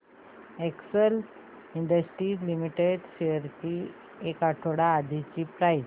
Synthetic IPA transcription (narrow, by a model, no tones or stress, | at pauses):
ɛksəl | iɳɖəsʈɾiːd͡ʑlimiʈeɖɕeəɾt͡ɕi | ekaʈʰoɽaːd̪ʱit͡ɕiːpɾaj